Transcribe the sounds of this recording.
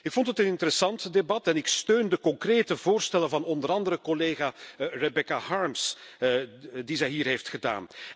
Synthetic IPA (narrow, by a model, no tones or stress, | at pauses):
ɪkfɔntətənɪntəɾəsɑntdebɑtɛnɪkstøːndəkɔŋkreːtəvoːrstɛlənvɑnɔndəɾɑndəɾəkɔleːɣarɛbɛkahɑɹms | dizɛjɦiːrɦeftxəda̰ːn